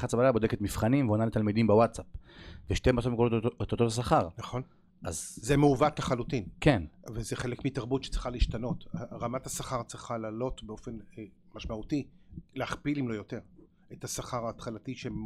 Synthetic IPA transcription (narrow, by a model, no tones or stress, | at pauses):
χatt͡sabalajabo̞d̪eket̪mifχanimveonalet̪almidimbewatsapveʃtematsovmkolot̪ot̪ot̪as̬aχaʁnaχo̞n | ʔa̰zzemeuvat̪laχalut̪inkenvezeχelekmit̪aʁbutʃe̥t͡sʁiχaliʃtano̞t̪aʁamat̪hasaχaʁt͡sʁiχalaːlo̞t̪beo̞fe̞n | maʃmaut̪ileaχpilimlo̞jo̞teʁ | etasaχaʁaːt̪χalatiʃe